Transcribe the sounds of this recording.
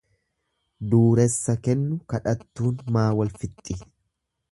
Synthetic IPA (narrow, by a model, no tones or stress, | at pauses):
d̪uːɾɛsːɐkɛnːʊkɐᶑɐt̪ːuːnmaːwɐlfɪt̪ʼːɪ